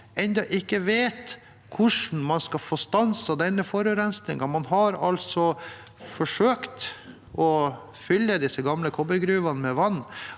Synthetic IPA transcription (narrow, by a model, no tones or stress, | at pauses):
ɛnd̪ɑʔɪkːəʋeːt̪ | kʰʊʂn̩mɑnskɑfoːst̪ɑnsɑd̪ɛnːəfɔɾʉɾɛnsnɪŋɑmɑnɦɑɾɑlsɔ | fɔʂøːkt̪ | ʔɔ | fʏlːəd̪ɪsəɡɑmləkʰɔbəɾɡɾʉːʋɑnmɛʋɑnː